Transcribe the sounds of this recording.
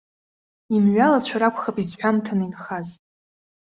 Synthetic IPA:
imɥalat͡ɕʷʰaɾakʷʰʼχapizħʷᶣamtʰaninχaz

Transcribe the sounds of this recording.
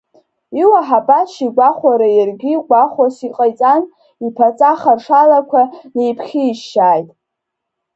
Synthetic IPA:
iwaħabʼaʃiɡʷaχʷaɾajarɡʲiːɡʷʼaχʷasiqʼajt͡sʼan | ipʰat͡sʼaχarʂalakʷʰanejpʰχʲiːʃaːjtʼ

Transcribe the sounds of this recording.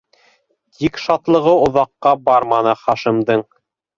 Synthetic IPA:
t̪ikʃɑt̪lˠɤ̆ʁɤŏðɑqːɑbɑɾmɑnɤχɑʃĭmd̪ɤɴ

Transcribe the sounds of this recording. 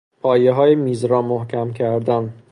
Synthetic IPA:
pʰɒːjeɦɒːjemiːzɾɒːmohcʰæmcʰæɾd̪æn

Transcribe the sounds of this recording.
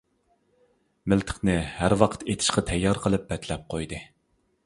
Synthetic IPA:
mɪlt̪ʰɪ̥χnɨhæɾwɑqʰət̪ʰet̪ʰɪ̥ʃqɑt̪ʰɛjːɑɾqʰəlˠɨp̚bɛt̪lɛp̚qʰojd̪ɨ

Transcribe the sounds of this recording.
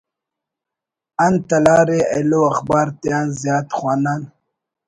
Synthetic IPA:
ant̪alɑːɾea̰loaxbɑːɾt̪jɑːnzjɑːt̪xwɑːnan

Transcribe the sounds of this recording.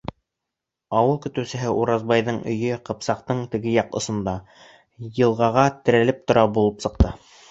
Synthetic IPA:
ɑwɤlˠkɵ̆t̪ɵ̆wsɘ̆ɦɘʔuɾɑzbɑjðɤɴʔɵ̆jɵqɤ̆psɑqt̪ɤɴt̪ɘ̆ɡɘjɑqŏ̰sŏnd̪ɑ | jɤ̆lˠʁɑʁɑt̪ɘ̆ɾælɘp̚t̪ŏɾɑbulˠɤpsɤ̆q̚t̪ɤ

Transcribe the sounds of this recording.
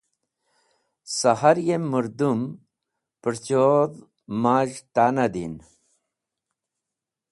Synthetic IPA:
sahaɾjemuɾd̪um | pəɾt͡ɕod̪ | maːʑt̪anad̪ḭn

